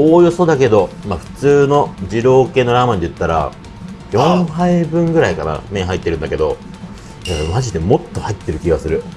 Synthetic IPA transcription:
oːjoso̞d̪ake̞d̪o̞maɸɯ̟̥t͡sɨːno̞d͡ʑiɾo̞ːke̞ːno̞ɾaːmaɲ̟d̪iɯ̟t̪ːaɾa̰ | jõ̞haibɯ̟̃ŋɡɯ̟ɾaikana̰mẽɦait̪ːe̞ɾɯ̟̃nd̪ake̞d̪o̞̰ | maʑid̪e̞mo̞t̪ːo̞hait̪ːe̞ɾɯ̟kʲiɡasɨɾɯ̟

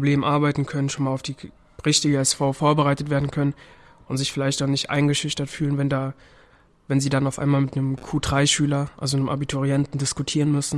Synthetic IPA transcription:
obleːmʔaɐbaɪtn̩kʰœnənʃoːnmaːlaʊfd̥iː | ʁɪçtɪɡəɛsfaʊfoːɐbəʁaɪtətveːɐdn̩kʰœnən | ʔʊntz̥ɪçfɪlaɪçtdanɪçtʔa̰ɪnɡəʃɪçtɐtfyːlənvɛndaː | vɛnziːdanaʊfʔa̰ɪnmaːlmɪtnəmkʰuːdʁaɪʃyːlɐʔa̰lzonəmʔa̰bitʰʊʁiɛntn̩dɪskutʰiːʁənmʏsn̩

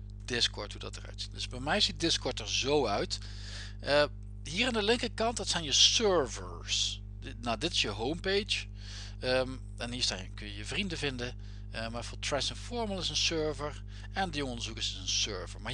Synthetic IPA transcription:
d̥ɪskɔ̰ɹtɦudɑ̰tərœ̰ɥtd̥əsbɛjmɛjzit̚dɪskɔɹtəɹzowœɥt | ʔə | ɦiːɹandəlɪŋkəkɑntdtsɛjnjəsøɹvəɹs | nadɪtɪ̥sjəɦowmpejt͡ʃ | əm | ɛnɦiːɹstaːəkɵjəjəvrindəvɪndə | əmafʊtʰɹɛsɪnfɔɹməlˠɪsənsøɹvəɹ | ɛndəjɔəɔndəɹzukəɹsɪsənsøːɹvə̰ɹmaː

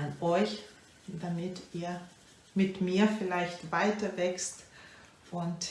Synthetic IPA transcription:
nɔʏç | d̥amɪtʔiːɐ | mɪtmiːɐfɪlaɪçtv̥aɪtɐvɛkst | ʔʊnt

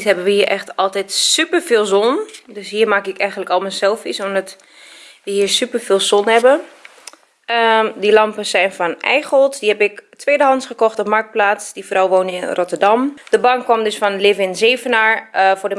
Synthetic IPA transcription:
tɦɛbəʋəhiːəɹʔɛxtɔlˠtɛtsypəɹfɪːlˠzɔndøsɦiːɹmaːkɪkɛjɣənləkɔlˠməsɛlˠfisɔmdɔt | ʋəhiːɹsypəɹfɪːlˠsɔnhɛbə | ədilɑmpəsɛjnfɔnɛ̰jxɔlˠtdihɛpɪktʋeːdəɦɑntsχəkɔxtɔpmaɹk̚t̚plaːtsdifrɔwʋoːnɪnrotəɹdɑmd̥əbɑŋkʋɔmdøsfɔnlɪvɪnzeːvənaːɹfʊdə

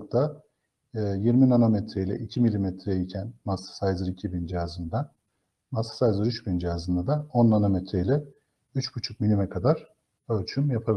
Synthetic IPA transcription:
k̚t̪ʰaː | jiɾminanamɛt̪ʰɾejilʲɛ̰ʔicʰimilʲimɛt̪ʰɾɛicʰænmasḁsajzɯɾicʰibind͡ʒijazɯnd̪a | masḁsajzɯɾyt͡ʃbind͡ʒijazɯnd̪ad̪aonanamɛt̪ɾeilʲɛ | yt͡ʃbut͡ʃʰuk̚milʲimɛkʰad̪aɾ̥ | ølʲt͡ʃʰymjapʰabi

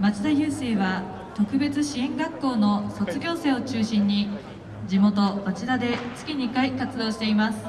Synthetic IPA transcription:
mat͡sɨd̪ajɯːse̞ːβa | t̪o̞kɯ̟be̞t͡sɨɕiẽ̞ŋɡakːo̞ːno̞so̞t͡sɨɡʲo̞ːse̞ːo̞t͡ɕɨːɕĩɲ̟ːi | d͡ʑimo̞t̪o̞pat͡ɕiɾad̪e̞t͡sɨ̥kʲiɲ̟ikaikat͡sɨd̪o̞ːɕi̥t̪e̞imasɨ̥

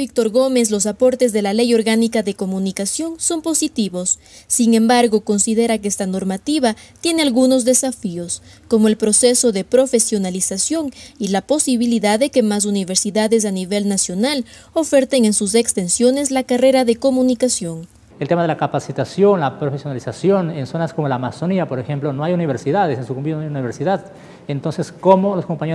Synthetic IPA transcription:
bik̚t̪o̞ɾɣo̞me̞slo̞s̬apo̞ɾt̪e̞zðe̞lale̞jo̞ɾɣanikaðe̞ko̞mũnikasjo̞nso̞mpo̞sit̪iβo̞sː | iŋe̞mbaɾɣo̞ko̞nsiðe̞ɾakeest̪ano̞ɾmat̪iβat̪je̞nealɣuno̞zðe̞safio̞sko̞mo̞e̞lpɾo̞se̞so̞ðe̞pɾo̞fe̞sjo̞nalisasjo̞ŋilapo̞siβiliðaððe̞ke̞mas̬uniβe̞ɾsiðaðe̞s̬aniβe̞lnasjo̞nal | o̞fe̞ɾt̪eŋe̞nsus̬e̞kst̪e̞nsjo̞ne̞zlakare̞ɾaðe̞ko̞munikasjo̞ŋ | elt̪emaðelakapasit̪asjo̞nlapɾofesjonalisasjo̞nenso̞naskomo̞laːmasoniapo̞ɾexe̞mplonoajuniβeɾsiðaðesensukumbinoajuniβeɾsiðað | ent̪o̞nse̞skomoloskompaɲe

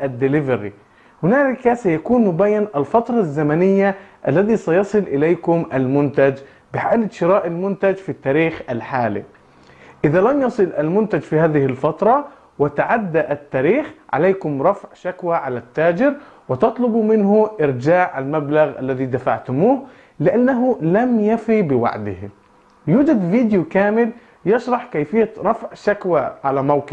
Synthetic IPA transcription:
ʔad̪ːɪlɪvaɾḭ | hʊnaːlɪkasajakuːnmʊbaːjːanʔalfɑt̪ɾˤɑzːamanɪjːaʔalːaðisajɑsˤɨlʔɪlajkʊmʔalmʊnt̪ad͡ʒ | bɪħaːlɪd̪ʃɪɾaːʔalmʊnt̪ad͡ʒfit̪ːaːɾiːxʔalħaːlḭ | ʔɪðalamjɑsˤɨlʔalmʊnt̪ad͡ʒfihaːðɪhɪlfɑt̪ɾˤɑ | wɪt̪aʕad̪ːaʔat̪ːaːɾiːxʕa̰leːkʊmɾˤɑfʕʃakwaʕalat̪ːaːd͡ʒɪɾ | wɪt̪ɑt̪ˤlʊbumɪnɦʊʔɪɾd͡ʒaːʕalmablaɣʔa̰lːaðid̪afa̰ʕt̪ʊmuːh | lɪʔanːaɦʊlamjafibɪwa̰ʕd̪ɪh | juːd͡ʒad̪viːd̪jukaːmɪl | jɪʃɾˤɑħkajfɪjːaɾˤɑfʕʃakwaʕalamawkɪ

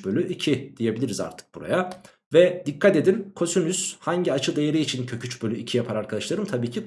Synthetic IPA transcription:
bølʲyʔicʰid̪̥ije̞bilʲiɾiza̰ɾt̪ʰɯ̥k̚buɾa̰ja | vɛd̪ikʰːat̪e̞d̪inkʰo̞synyshaɲɟiat͡ʃʰɯd̪e̞jeɾiːt͡ʃʰincʰø̞cʰyt͡ʃbø̞lʲyicʰijapʰaɾaɾkʰad̪aʃlˠaɾɯmt̪ʰabiːcʰi

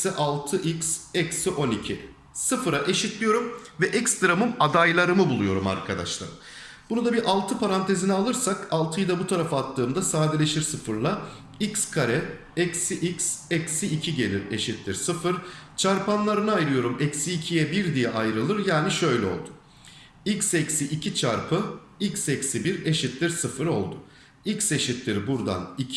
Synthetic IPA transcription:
iʔalˠt̪ʰɯʔicsɛcsiʔo̞nicʰi | sɯfɯɾaʔe̞ʃit̪lʲijo̞ɾumvɛʔɛcst̪ɾamɯmad̪ajlˠaɾɯmɯbulˠujo̞̰ɾuma̰ɾkʰad̪a̰ʃlˠa̰ɾɯ | b̥unud̪abiɾʔalˠt̪ʰɯpʰaɾant̪ʰe̞zinialˠɯɾsakalˠt̪ʰɯjd̪abut̪ʰaɾafaːt̪ʰːɯːmd̪asaːd̪elʲe̞ʃiɾsɯfɯɾlˠa | icskʰaɾɛ | ɛcsiʔicsɛcsiːcʰiɟe̞lʲiɾe̞ʃit̪lʲiɾsɯfɯɾ̥t͡ʃʰaɾpʰanlˠaɾɯnɯajɾɯjo̞ɾumɛcsiːcʰijɛbiɾd̪ijɛʔajɾɯlˠɯɾjaːniʃø̞jlʲɛo̞̰lˠd̪ʊ̥ | icsɛcsiʔicʰit͡ʃʰaɾpʰɯ | icsɛcsibiɾe̞ʃit̪lʲiɾsɯfɯɾo̞̰lˠd̪ʊ | icse̞ʃit̪lʲiɾibuɾd̪a̰ni

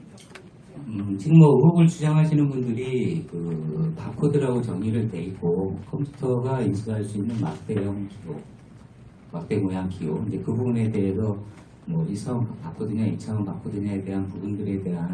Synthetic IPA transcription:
ɯt͡ɕiɡɯmmʌɯɦoɡɯɭt͡ɕud͡ʑaŋɦaɕʰinɯnbundɯɾikɯpakʰodɯɾaɡot͡ɕʌŋɲiɾɯɭte̞ik͈okʰʌmpʰju̥tʰʌɡaisʰuɦaɭs͈uinːɯnma̰k̚t͈e̞jʌŋkio | mak̚t͈e̞ŋojaŋkioind͡ʑe̞kɯbubune̞de̞ɦesʰʌ | mwʌisʰʌŋkpakʰodɯɲait͡ɕʰaʌŋpakʰodɯɲaede̞ɦanpubundɯɾe̞de̞ɦan

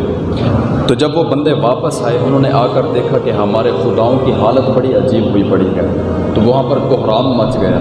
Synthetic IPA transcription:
t̪oːd͡ʒɐbʋobɐ̃nd̪eʋaːpəsaːeʔʊnɦõːneʔaːkəɾd̪eːkʰakeɦɐmaːɾexʊd̪aːõkiɦaːlət̪̚bɐɽiɐd͡ʒiːbɦoipɐɽiɡɐe | t̪oʋɐɦãːpɐɾɡʊɦɾaːmːɐt͡ʃɡɐja̰ː

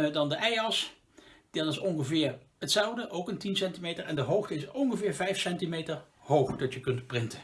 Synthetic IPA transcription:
dɑndəʔɛjɑs | d̥ɑtɪsɔnχəvɪːɹ | hətsɛwdəʔowkəntinsɛntimejtəɹɛndəɦowxtəɪsɔnχəvɪːɹvɛjfsɛntimejtəɹ | howχd̥ɑtjəkɵntprɪntə

